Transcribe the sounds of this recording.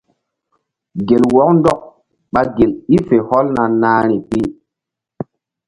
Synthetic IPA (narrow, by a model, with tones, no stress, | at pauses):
ɡe˨lwɔ˦k̚ndɔ˦k̚ | ɓa˦ɡe˨li˦fe˨hɔ˦lna˨naː˦ɾi˨pi˦